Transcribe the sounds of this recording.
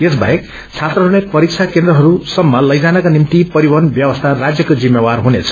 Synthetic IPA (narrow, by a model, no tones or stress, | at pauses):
esba̰jek̚ | t͡sʰat̪ɾʌɦuɽepʌɾik̚t͡sʰakend̪ɾʌɦʌɾusʌmːʌlʌjd͡zanʌkanimt̪ipʌɾibʌnbjʌbʌst̪ʰarad͡zjʌkod͡zimjewarɦunet͡sʰʌ̥